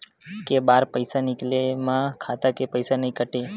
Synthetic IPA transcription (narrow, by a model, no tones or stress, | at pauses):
kebaɾpəjsanɪklemãkʰat̪akepəjsanəɦĩkəʈe